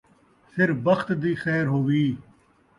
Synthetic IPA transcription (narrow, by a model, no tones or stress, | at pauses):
sʰɪɾbɐxt̪d̪iːxɛːɾɦoːʋiː